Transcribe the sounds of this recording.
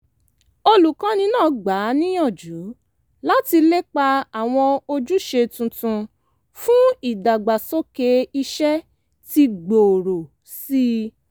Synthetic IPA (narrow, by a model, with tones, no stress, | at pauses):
o˧lu˨kã˨˦nĩ˧˦nãː˦˨ɡ͡ba˨˦nĩ˦jɔ̃˦˨d͡ʒu˨˦ | la˦ti˧le˦k͡pa˧a˨w̃ɔ̃˧o˧d͡ʒu˦ʃe˧tũ˧tũ˧ | fũ˦i˦˨da˨ɡ͡ba˨so˦ke˧˦i˧ʃɛ˦ | ti˧ɡ͡bo˨ɾo˨ | si˦